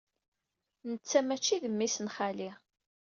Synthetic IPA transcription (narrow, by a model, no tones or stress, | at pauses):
nət͡sːæmæt͡ʃːiðəmːisənχali